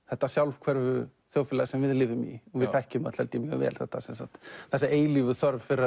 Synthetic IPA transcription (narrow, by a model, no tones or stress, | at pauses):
θɛht̪ːasjawlv̥kʰvɛɾvʏ | θjoːwfɪlɛsɛmvɪðlɪːvʏmḭɔvɪðfɛhcʏma̰t̪lhɛlt̪ɪmjœ̰ɣvɛ̰ːlθɛ̰ht̪asɛmθa̰t̪θɛsːaeːjlivʏθɔɾvfɪɾa